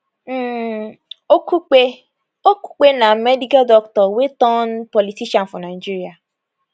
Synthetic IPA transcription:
okuk͡pe | oku̥k͡penamedikadɔktɔwetɔn̩pɔlitiʃan̩fɔnad͡ʒiɾia

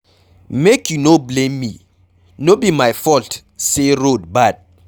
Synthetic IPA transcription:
mekʰjunoblẽmːi | nobimajfɔlt | seɹod̚bat̚

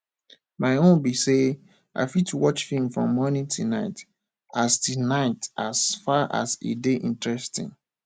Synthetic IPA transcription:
maɪõnbise | ʔa̰ɪfitʰuwɔt͡ʃfĩŋfɹɔ̃mːɔnitʰunaɪt | astinaɪtʔasfaʔa̰sḭdeʔĩntɹɛstḭ̃ŋ

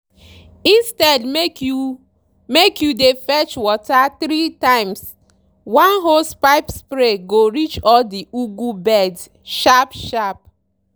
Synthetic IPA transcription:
ĩnstɛdmeku | mekjudefɛt͡ʃwɔtaθɾitãɪ̃ms | wãnɦospaɪpspɾeɡoɾit͡ʃɔldiʔuɡubɛd | ʃapʃap̚

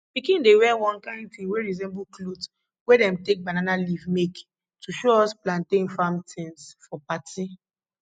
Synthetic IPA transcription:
pikĩndewɛwɔ̃nkãɪ̃ndt̪fĩmweɹizɛ̃mbuklod | wedɛ̃mtek̚bananalivmek | tʰuʃoɔsplãntẽfãmtʰɛ̃nsfɔpati

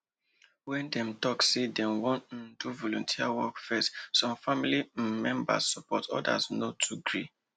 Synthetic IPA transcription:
wɛ̃ndɛ̃mtɔksedɛ̃nwɔ̃nn̩duvɔlɔ̃ntʰiawɔkfɛstsɔ̃mfamilimɛ̃mba̰ssɔpɔtɔ̰da̰znotʰuɡɹi

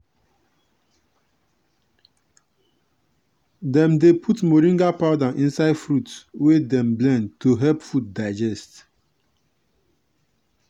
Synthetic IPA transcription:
dɛ̃mdepʰutmoɾĩŋɡapaʊdãʔĩnsaɪdfɾutwedɛ̃mblɛ̃ndtoɦɛlpfut̚daɪd͡ʒɛst

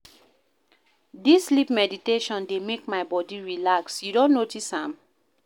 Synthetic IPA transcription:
disːlipmɛditeʃɔ̃ndemekmaɪbɔdiɹilaksjudõnːotisãm

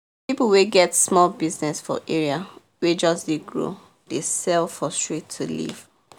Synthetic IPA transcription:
pipuweɡɛtsmɔlbiznɛsfɔ̰ʔeɹia | wed͡ʒɔsdeɡɹo̰ | d̥esɛlfɔstɹetʰːulḭv̥

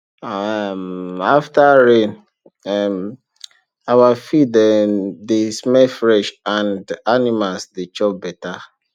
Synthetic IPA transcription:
amaftaɹẽn | ɛm | awafidɛdesmɛfɹɛʃãndanimalsdet͡ʃɔp̚bɛta

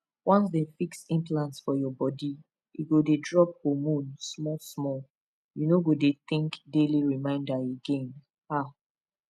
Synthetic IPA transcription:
wãnsdɛ̃fiksĩmplãntsfɔjɔbɔdi | iɡodedɹɔp̚homũnsmɔsmɔl | junoɡodet̪ĩŋkdeliɹimãɪ̃ndaeɡẽn | a

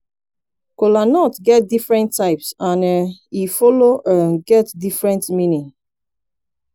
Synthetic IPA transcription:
kolanɔtɡɛt̚difɹɛ̃ntʰːaɪpsãnifɔloʔaɡɛtdifɹɛ̃ntmĩnĩŋ

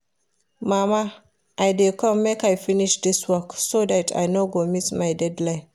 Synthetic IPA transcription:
mama | ʔajdɛkʰɔmːekajfiniʃd̪iswɔksodatʰa̰jnoɡomismajdɛdlaj

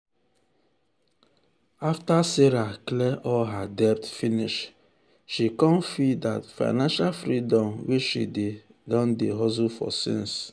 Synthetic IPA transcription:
aftaseɾaklɛʔɔlɦadɛp̚tfiniʃ | ʃikɔ̃nfida̰tfa̰ɪnãnʃalfɾidɔ̃mweʃḭde | dɔ̃ndeɦɔzufɔ̰sḭ̃ns

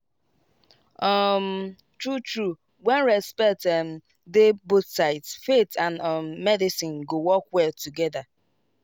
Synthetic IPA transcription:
ɔm | tɹutɹu | wɛ̃nɹɛspɛtɛm̩ | debotsaɪtsfetʰãnmːɛdɪsɪ̃nɡowɔkwɛtuɡɛða

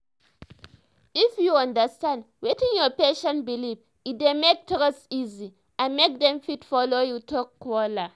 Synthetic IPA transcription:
ifjuɔ̃ndəstãnd | wetĩnjɔpeʃɔ̃nbiliv | idemek̚tɾɔsizi | amek̚dɛ̃mfitfɔlojutʰɔkːwɔla

